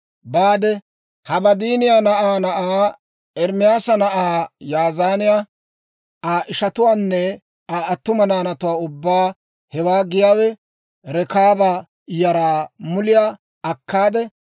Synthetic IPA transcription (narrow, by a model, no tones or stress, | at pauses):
baːd̪ɛ | hɐbɐd̪iːnɪjaːnɐʔaːnɐʔaː | ɛɾmɪjaːsɐnɐʔaːjaːzaːnɪja | ʔaːʔɪʃɐt̪ʊwaːnːɛ | aːt̪ːʊmɐnaːnɐt̪ʊwaːʊbːaː | hɛwaːɡɪjaːwɛ | ɾɛkaːba | jɐɾaːmʊlɪjaː | ɐkːaːd̪ɛ